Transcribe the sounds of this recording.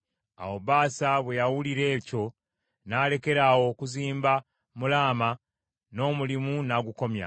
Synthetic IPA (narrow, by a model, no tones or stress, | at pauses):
a̰wo̞βaːsaβwe̞jawuliɾe̞ːco̞ | naːle̞ke̞ɾawo̞kuziːmba | mulaːma | no̞ːmulimunaɡuko̞mja̰